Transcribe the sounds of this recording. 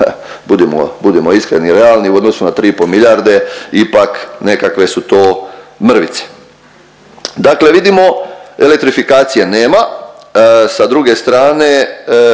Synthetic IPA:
bud̪imo̰bud̪emoiskɾeniɾealniuo̞d̪nosunat̪ɾiːipolmiʎaɾd̪e̞ipakne̞kakʋe̞sut̪oːmr̩ʋit̪se̥ | d̪akle̞ʋid̪imo̞elek̚t̪ɾifikaːt̪sijeneːma | sad̪ɾuɡe̞st̪ɾaːne̞

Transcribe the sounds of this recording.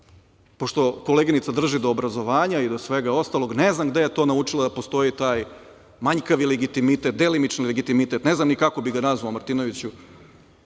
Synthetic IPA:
po̞ʂt̪o̞ko̞leɡinit̪sad̪r̩ʒid̪o̞ːbɾazo̞ʋaːɲaid̪o̞sʋeɡao̞st̪alˠo̞ɡneznamɡd̪ejet̪o̞naut͡ʃilˠad̪apo̞st̪o̞jit̪aːj | maɲkaʋileɡit̪imit̪et̪̚d̪elimit͡ʃnilleɡit̪imit̪et̪neznamnikako̞biɡanazʋaomaɾt̪ino̞ʋit͡ɕu

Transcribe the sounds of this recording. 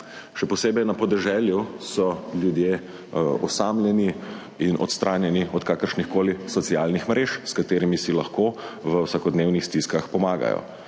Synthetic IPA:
ʃɛpɔseːbɛjnɐpɔd̪ɛʒɛːljusɔljud̪je | ɔsaːmljɛni | inɔ̰t̪st̪ɾʔaːnjɛniɔt̪kaːkəɾʃnixkoːlisɔt̪siaːlnixmɾeːʃskat̪eːɾimisilɐxkoʋəwsɐkɔd̪neːwnixst̪iskɐxpɔmaːɡa̰jɔ̰

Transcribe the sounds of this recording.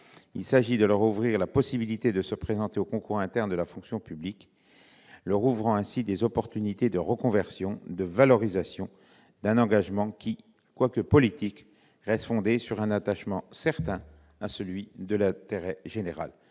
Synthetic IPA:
ilsaʒid̪ələʁuvʁiʁlapɔsibilit̪ed̪əsəpχezɑ̃t̪eokɔ̃kuʁɛ̃t̪ɛʁnd̪əlafɔ̃ksjɔ̃pyblik | lœʁuvʁɑ̃ɛ̃sid̪ezɔpɔʁt̪ynit̪ed̪əʁəkɔ̃vɛʁsjɔ̃d̪əvalɔʁizasjɔ̃ | d̪ɛ̃nɑ̃ɡaʒmɑ̃kʲi | kwakəpɔlit̪ik | ʁɛst̪fɔ̃d̪esyʁɛ̃nat̪aʃmɑ̃sɛʁt̪ɛ̃ | asəlɥid̪əlɛ̃t̪eʁɛʒeneʁa̰l

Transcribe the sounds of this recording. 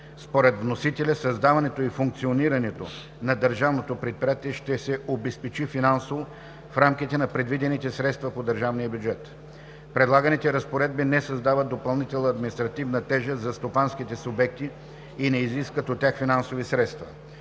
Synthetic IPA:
spoɾɛt̪vnosit̪ɛlʲɐsɐzd̪avɐnɛt̪oifuŋk̚t̪sioniɾɐnɛt̪o̰ | nɐd̪əɾʒavnot̪opɾɛt̪̚pɾijat̪iɛʃt̪ɛsɛʔobɛspɛt͡ʃifinansovo | fɾamk̟it̪ɛnɐpɾɛd̪vid̪ɛnit̪ɛsɾɛt̪st̪vɐpod̪əɾʒavnijəbjud͡ʒɛt̪ | pɾɛd̪lˠaɡənit̪ɛɾəspoɾɛd̪̚binɛsɐzd̪avət̪̚d̪opɐlˠnit̪ɛlˠnəɐd̪minist̪ɾɐt̪ivnət̪ɛʒəzɐst̪opansk̟it̪ɛsubɛk̚t̪iː | nɛiziskvət̪ot̪ʲːjaxfinansovisɾɛt̪st̪vɐ

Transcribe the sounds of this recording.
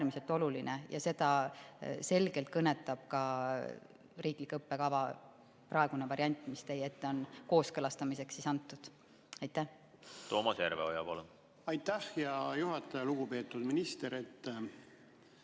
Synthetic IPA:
æːrmise̞lt̪ːˑo̞lulinejʔɑ̰se̞d̪̥ɑ | se̞lɡ̥e̞lt̪̚kɤnːe̞t̪ːˑɑb̥̚kɑ | riːklikːɤpːe̞kɑvɑ | prɑeɡ̥unevɑɾiɑnʲt̪ːˑmist̪eje̞t̪ːˑo̞nko̞ːskɤlɑst̪ɑmise̞ksisɑnt̪ːˑud̪̥ | ɑjt̪ˑːæh | t̪o̞ːmɑsjæɾveojɑpɑlun | ɑjt̪ːˑæhjɑjuɦɑt̪ːˑɑjɑluɡ̥upe̞ːt̪ˑːud̪minist̪eɾet̪ː

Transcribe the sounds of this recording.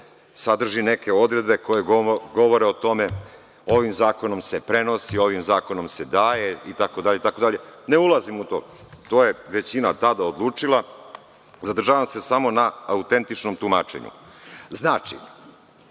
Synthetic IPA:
sad̪r̩ʒineke̞o̞d̪ɾe̞d̪̚be̞ko̞jeɡo̞ʋo̞ɾeot̪o̞me̞ | o̞ʋimzaːko̞no̞mse̞pɾe̞no̞sio̞ʋimzaːko̞no̞msed̪aːjeit̪ako̞d̪aʎet̪ako̞d̪aʎe̞ne̞ulˠazimut̪o̞ː | t̪o̞ːje̞ʋe̞t͡ɕinat̪ad̪aod̪lˠuːt͡ʂilˠa | zad̪r̩ʒaːʋamse̞samo̞naaut̪e̞nt̪it͡ʃnomt̪umaːt͡ʃe̞̰ɲṵ | znaːt͡ʃḭ

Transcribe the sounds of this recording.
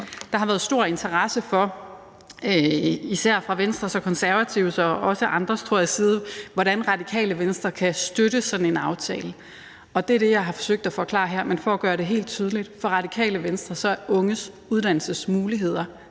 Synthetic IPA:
d̥ɑ̈hɑʋæːð̞̩ˠsd̥o̝ɐ̰e̝nt͡sʰɐʁɑ̈səfɒ̽ | øisæɐ̰fʁɑ̈ʋensd̥ʁɐsɒ̽kʰɒ̽nsæɐʋæt͡sʰiʊsɒ̽ɒ̽səʔɑ̈nd̥ʁɐst͡sʰo̝ɐ̰jæsiːð̞ˠəʋɒɾænʁɑ̈d̥ikʰɛ̰ːləʋensd̥ʁɐkʰæsd̥øɾəsɒ̥̽n̩e̝nɑ̈ʊt͡sʰɛ̰ːlə | ɒ̽d̥e̝æɐɾ̥e̝jɑ̈ɪɦɑ̈fɒ̽søɡ̥̚d̥æfɒ̽kʰlɑ̰̈ːɦæɐ̰menfɒ̽æɡ̥ɶːɐɾe̝ɦe̝̰ːld̥̚t͡sʰyːð̞ˠəlid̥fɒ̽ʁɑ̈dikʰɛ̰ːləʋensd̥ʁɐsɒ̽æɐʔɔ̽ŋəs | uð̞ˠd̥æn̰l̩səsmuːliɦe̝ð̰ˠɐ

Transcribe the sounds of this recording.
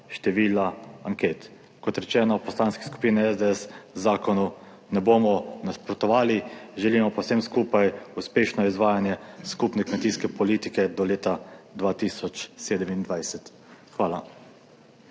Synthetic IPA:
ʃt̪ɛʋiːlaaŋkeːt̪ | kɔt̪ɾɛt͡ʃɛːnɔpɔslaːnskɛ̥sku̥piːnɛɛzd̪eɛszaːkɔnu | nɛboːmɔnaspɾɔt̪ɔʋaːliʒɛliːmɔpɔwsɛmskuːpajuspeːʃnɔizʋaːjanjɛskupnɛkmɛt̪iːskɛpɔliːt̪ikɛd̪ɔleːt̪ad̪ʋaːt̪iːsɔt͡ʃseːd̪ɛmind̪ʋajsɛt̪ | xʋaːla

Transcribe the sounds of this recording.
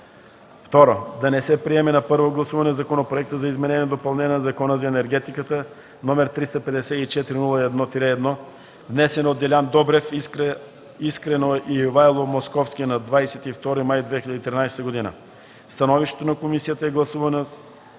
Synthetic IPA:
ft̪ɔɾod̪ɐnɛsɛpɾiɛmɛnɐpɤɾvoɡlˠɐsuvɐnɛzɐkonopɾoɛk̚t̪əzɐizmɛnɛniɛd̪opɐlˠnɛnʲɛnzɐkɔnəzɐɛnɛɾɡɛt̪ikət̪ə | nomɛɾt̪ɾist̪ɐpɛd̪ɛsɛit͡ʃɛt̪iɾinulˠəɛd̪nɔt̪ɾɛːd̪nɔ | vnɛsɛnot̪ːɛlʲand̪ɔbɾɛf | iskɾɛnoɛʔivajlˠomoskɔfskʲinɐd̪vajsɛt̪ift̪ɔɾimajd̪vɛxilʎʲəd̪it̪ɾinajsɛ̥t̪əɡod̪inə̰ | st̪ɐnɔviʃt̪ɛ̥t̪onɐkomisijət̪əɛɡlˠɐsuvɐno

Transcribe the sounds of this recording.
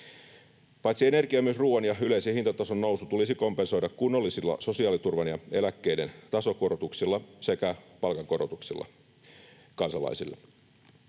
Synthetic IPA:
pɑjt̪siene̞rkiɑmyøsruːɑnjɑyle̞isehint̪ɑt̪ɑsonːo̞wsut̪ulisiko̞mpe̞nso̞jdɑkkunːolːisilːɑ̰so̞siɑːlit̪urʋɑnjɑe̞lækːe̞ide̞nt̪ɑso̞korot̪uksilːɑse̞kæpɑlkɑŋko̞ɾot̪uksilːʔɑ̰ | kɑnsɑlɑ̰isilːɑ̰

